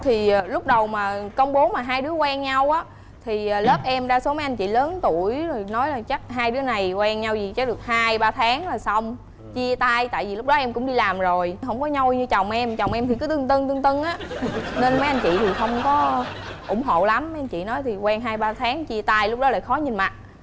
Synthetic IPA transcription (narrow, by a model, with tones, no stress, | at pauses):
t̪ʰi˨˩˨lʊ˦˥k͡p̚ɗə˨˩wmaː˨˩kə˧wŋ͡mɓo˨˦maː˨˩ɦaː˧jɗɨ˨˦əkwɛː˧ŋɲa˧wʔaː˨˦ | t̪ʰi˨˩˨ləː˦˥p̚ʔɛ˧mɗaː˧so˨˦mə˨˦jʔjnt͡ɕḭ˧˨ləː˨˦nt̪u˧˩əjzo˨˩jnɔ˨˦jlaː˨˩t͡ɕa˦˥k̚ɦaː˧jɗɨ˨˦əna˨˩jkwɛː˧ŋɲa˧wzi˨˩t͡ɕa˦˥k̚ɗɨ˨˩ək̚haː˧jɓaː˧t̪ʰaː˨˦ŋlaː˨˩sa˧wŋ͡m | t͡ɕi˧ət̪aː˧jt̪a̰ː˧˨jvi˨˩lʊ˦˥k͡p̚ɗɔ˨˦ʔɛ˧mkʊ̰˧˥ŋ͡mɗi˧laː˨˩mzo˨˩jɦə˧wŋ͡mkɔ˨˦ɲa˧wɲɨ˧t͡ɕɔ˨˩wŋ͡mʔɛ˧mt͡ɕɔ˨˩wŋ͡mʔɛ˧mt̪ʰi˨˩kɨ˨˦t̪ɨ˧ŋt̪ɨ˧ŋt̪ɨ˧ŋt̪ɨ˧ŋʔaː˨˦ne˧nmə˨˦jʔa˧jn̟t͡ɕḭ˧˨t̪ʰi˨˩xə˧wŋ͡mkɔ˨˦ʔʊ̰˧˩ŋ͡mɦo̰˧˨la˨˦mmːə˦jʔa˧jɲt͡ɕḭ˧˨nɔ˨˦jt̪ʰi˨˩kwɛː˧ŋɦaː˧jɓaː˧t̪ʰaː˨˦ŋt͡ɕi˧ət̪aː˧jlʊ˦˥k͡p̚ɗɔ˨˦la̰ː˧˨˩jxɔ˨˦ɲi˨˩nma˨˩t̚